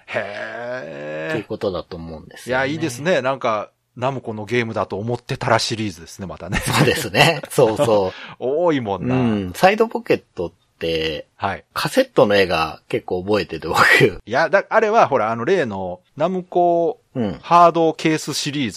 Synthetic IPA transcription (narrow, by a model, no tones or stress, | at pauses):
he | oɯ̟kot̪o̞d̪at̪oːmo̞ɯ̃nd̪esjaiːd̪e̞sɨne̞nãŋka | namɯ̟ko̞no̞ɡe̞ːmɯ̟d̪at̪o̞ːmo̞t̪ːe̞t̪aɾaɕiɾʲiːzɨd̪e̞sɨne̞mat̪ane̞soːd̪esɨneso̞ːssoːoːimõ̞nːaɯ̃said̪o̞po̞ke̞t̪ːo̞t̪ːe̞haḭkʰase̞t̪ːo̞no̞e̞ːɡa̰ke̞kːo̞ːbo̞e̞t̪e̞ɾɯβokɯjad̪aːɾe̞βaɦo̞ɾaːno̞ɾe̞ːno̞ | namɯ̟ko̞ | ɯ̟̃ɴhaːd̪o̞kʰe̞ːsɨɕiɾʲiːzɨ